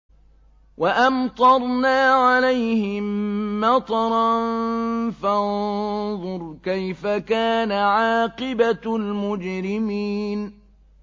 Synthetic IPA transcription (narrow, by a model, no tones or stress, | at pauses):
waʔamt̪ˤɑɾˤnaːʕalajhɪmːɑt̪ˤɑɾˤɑnfanðˤʊɾkajfakaːnaʕɑːqɪbalmʊd͡ʒɾɪmiːn